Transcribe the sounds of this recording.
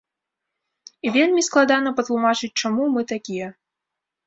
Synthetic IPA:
ivʲelʲmʲisklˠad̪anɐpɐt̪lˠumat͡ʂɨt͡s̚ʲt͡ʂamumɨt̪akʲijɛ

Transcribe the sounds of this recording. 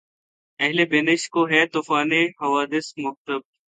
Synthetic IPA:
ɛɦlebeːnɪʃkoːɦɛt̪uːfaːnehɐʋaːd̪ɪsmʊx̚t̪əb̚

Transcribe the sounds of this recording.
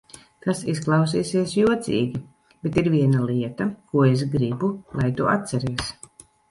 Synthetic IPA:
kasisklˠɑws̬iːsiɛsjuɔt̪sʲḭːɡʲi | b̥ɛt̪iɾvʲiɛnalˠiɛt̪akuɔes̬ɡɾibulˠajt̪uʔa̰t̪sɛɾiɛs

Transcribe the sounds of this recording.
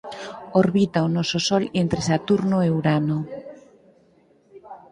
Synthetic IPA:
oɾβit̪aonɔsosɔlent̪ɾesat̪uɾnoewɾano

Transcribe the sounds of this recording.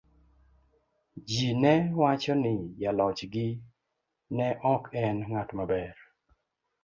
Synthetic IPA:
d͡ʒinɛwat͡ʃɔnɪjalɔt͡ʃɡɪ | nɛʔɔkɛnŋatmabɛɾ

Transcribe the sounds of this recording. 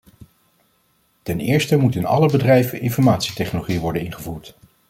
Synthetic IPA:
tɛnɪːɹstəmutɪnɑ̰ləbədrɛjvənʔɪnfɔɹmaːtsitɛχnoloχijəʋɔɹdənɪnχəvuːɹt

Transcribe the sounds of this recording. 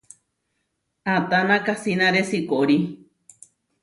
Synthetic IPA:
at̪anãkasinãɾesikoʔɾi

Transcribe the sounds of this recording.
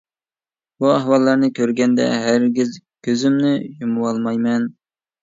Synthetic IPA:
buæhwɑlˠːɑɾnɨkʲʰøɾɡʲɛnd̪ɛ̰ɦæɾɡʲizkʲʰøzɪmnɪjumɨwɑlˠmɑjmɛn

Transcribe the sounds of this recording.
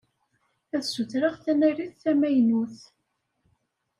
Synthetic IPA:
æθsuθɾəʁθænæriθθæmæjnuθ

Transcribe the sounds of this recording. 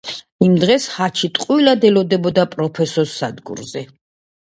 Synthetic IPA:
imd̪ʁɛshat͡ʃʰit̪ʼqʼwilad̪ɛlɔd̪ɛbɔd̪apʼɾɔpʰɛsɔsad̪ɡṵɾzɛ

